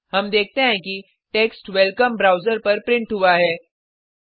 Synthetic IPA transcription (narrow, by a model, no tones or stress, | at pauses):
hɐmd̪eːk̚ʰt̪eɦɛ̃ki | ʈeːksʈʋɛlkəmbɾaːʊzəɾpɐɾpɾɪ̃ɳʈɦʊaɦɛː